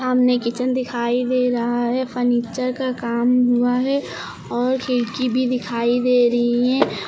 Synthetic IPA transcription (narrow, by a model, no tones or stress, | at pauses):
ɦəmnekɪt͡ʃənd̪ɪkʰaːid̪eɾɐɦaɦɛfʰəɾniːt͡ʃəɾkakaːmɦuaɦɛ | ɔːɾkʰeɾkibʱid̪ɪkʰaːid̪eːɾɐɦiɦɛ̃ː